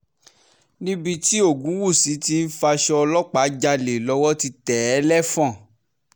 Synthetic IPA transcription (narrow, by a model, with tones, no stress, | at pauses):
nĩ˦bi˧ti˦o˦˨ɡũ˨˦wu˦˨si˨˦ti˧n̩˦fa˧ʃɔ˧ɔ˧lɔ˦k͡pa˨˦d͡ʒa˧le˨lɔ˧˦wɔ˦ti˧tɛ˨˦lɛ˦fɔ̃˦˨